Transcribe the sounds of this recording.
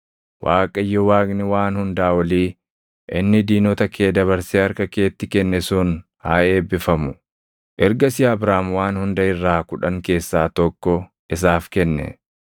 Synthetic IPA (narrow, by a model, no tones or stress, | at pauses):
wʔa̰ːkʼɐjːɔwaːknɪwaːnhʊnd̪aːwɐliː | ʔɪnːɪd̪iːnɔt̪ɐkʰe̞ːd̪ɐβɐɾseɐɾkɐke̞ːt̪ːɪkɛnːɛsʊn | ha̰ːe̞ːbːɪfɐmʊ | ʔɛɾɡɐsɪaːbɾaːmwaːnhʊnd̪ɐɪrːaːkʊᶑɐŋke̞ːsːaːt̪ɔkːɔ | ʔɪs̬aːfkɛnːɛ̰